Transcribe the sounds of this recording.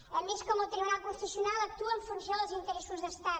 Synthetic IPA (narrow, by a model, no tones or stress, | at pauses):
əmeskɔmot̪ɾiβuɾalpɾufəsiunalˠək̚t̪uəɱfunsjoðəlˠzint̪əɾɛsuzðəst̪a